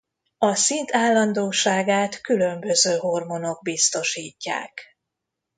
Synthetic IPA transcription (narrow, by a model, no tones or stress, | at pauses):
ɒsint̪aːlːɒnd̪oːʃaːɡaːt̪kylø̞mbø̞zøːɦo̞rmo̞no̞ɡ̚bist̪o̞ʃiːcːa̰ːk